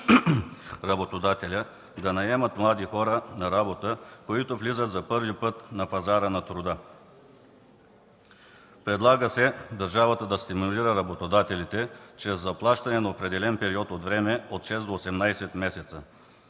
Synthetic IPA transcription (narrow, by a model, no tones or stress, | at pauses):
ɾɐbot̪od̪at̪ɛlʲə | d̪ɐnɐɛmət̪mlˠad̪ixɔɾənɐɾabot̪əkoit̪ovlizət̪zɐpɤɾvipɤt̪nɐpɐzaɾənɐt̪ɾʊd̪ə | pɾɛd̪lˠaɡəsɛd̪ɐɾʒavɐt̪əd̪ɐst̪imuliɾəɾɐbot̪od̪at̪ɛlit̪ɛt͡ʃɾɛzːɐplˠaʃt̪ɐnɛnɐopɾɛd̪ɛlɛnpɛɾiɔt̪ot̪vɾɛmɛot̪ʃɛzd̪oːsɛmnajsɛt̪mɛsɛt̪sə